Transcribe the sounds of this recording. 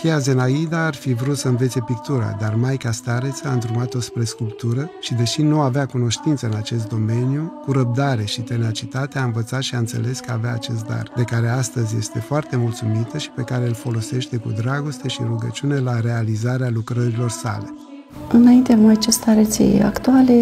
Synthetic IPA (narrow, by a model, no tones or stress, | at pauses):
kejaze̞naid̪aːrfivɾut̪səɨnve̞t̪sepik̚t̪uɾa̰d̪armajkast̪aɾe̞t̪saɨnd̪ɾumat̪o̞spɾe̞skulpt̪uɾəʃid̪e̞ʃinuaveakuno̞ʃt̪int̪səɨnat͡ʃe̞st̪d̪o̞me̞njukuɾəp̚d̪aɾe̞ʃit̪e̞nat͡ʃit̪at̪eaɨnvət̪sat̪ʃiaɨnt̪se̞̰le̞skəaveaːt͡ʃe̞s̬t̪̚d̪a̰rd̪e̞kaɾe̞ast̪əzʲje̞st̪e̞foart̪e̞mult̪sumit̪əʃi̥pe̞kaɾeɨlfo̞lo̞se̞ʃt̪e̞kṵd̪ɾaɡo̞st̪e̞ʃiɾuɡət͡ʃiune̞laɾe̞alizaɾealukɾəɾilo̞rsa̰le̞ | ɨnaint̪eamajt͡ʃest̪aɾet̪sḛa̰kt̪uale